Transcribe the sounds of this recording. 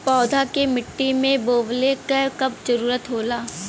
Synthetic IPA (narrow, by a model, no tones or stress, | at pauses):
pɔːd̪ʱakemɪʈːimẽboːʋlekɐɾkɐbd͡ʒɐɾuːɾət̪ɦoːlaː